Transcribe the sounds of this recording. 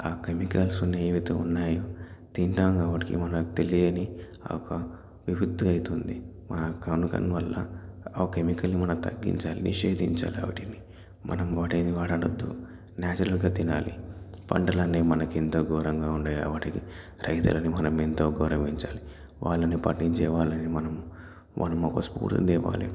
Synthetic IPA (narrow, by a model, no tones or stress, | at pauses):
aːkemikɐlsunːeʋit̪uunːaːjoːt̪iɳʈaːmɡɐːʋɐʈikḭmɐnɐkt̪elijɐnḭ | ɔkɐ | ʋibid̪ːɐɐjt̪und̪i | mɐnɐkɐnukɐ̰nʋɐlːɐ̰kemikɐlnimɐnɐmt̪ɐɡːḭɲt͡ʃaːlḭnʔḭʂeːd̪ʱiɲt͡ʃa̰ːliɐ̰ʋɐʈini | mɐ̰nɐmɐɐʈɐnd̪iʋaːʈɐɽɐd̪ːṵ | naːt͡ʃɐɾɐlɡaːt̪inaːlḭpɐ̰ɳɖɐlɐnːeːmɐnɐkint̪o̞ːɡɔːɾɐŋɡaːuɳɖaːjɐ̰ʋɐʈiki | ɾɐjt̪ṵlɐnimɐnɐmint̪o̞ːɡɐːɾɐʋiɲt͡ʃaːli | ʋaːɭːɐnipɐ̰ʈːiɲt͡ʃɛːʋaːlɐnimɐnɐm | mɐ̰nɐmɔkɐspṵːɾt̪ṵnd̪iʋa̰ːlḭ